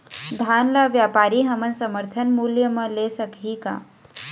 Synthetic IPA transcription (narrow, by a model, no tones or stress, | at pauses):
d̪ʱaːnlaʋjaːpaːɾiɦəmənsəməɾt̪ʰənmuljəmə̃lesəkɦika̰